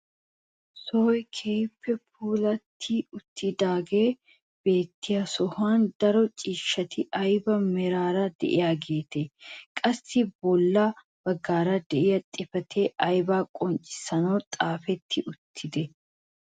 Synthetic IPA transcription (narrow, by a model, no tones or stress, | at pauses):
sɔːjkʰejpʰːɛp̚ʰuːlɐt̪ʰːɪʊt̪ʰːɪd̪aːɡe̞ː | b̥e̞ːt̪ːɪjasɔhaːnd̪ɐɾɔt͡ʃʼiːʃːɐt̪ɪʔɐjbɐmɛɾaːɾɐd̪ɛ̰ʔɪ̰jaːɡeːt̪ekʼɐsːɪbɔlːɐ | b̥ɐɡːaːɾɐd̪ɛʔɪjɐt̪ʼɪfɐt̪ʰeːʔɐjbaːkʼɔnt͡ʃʼɪ̥sɐnoːt̪ʼaːfɛt̪ʰːɪʔʊt̪ʰːɪd̪ɛ